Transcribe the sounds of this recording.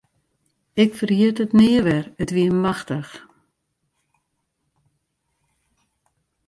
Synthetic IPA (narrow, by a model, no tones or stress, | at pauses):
ɪkfərhiətətnɪːəʋɛrətʋiəmaxtəx